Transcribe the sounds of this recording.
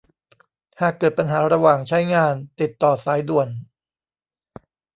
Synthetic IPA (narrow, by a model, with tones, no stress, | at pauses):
haː˨˩kːɤː˨˩t̪̚pa˧nɦaː˩˦ɾa˧waː˨˩ŋt͡ɕʰa˦˥jŋaː˧nt̪i˨˩t̪ːɔː˨˩saː˩˦jdu˨˩ən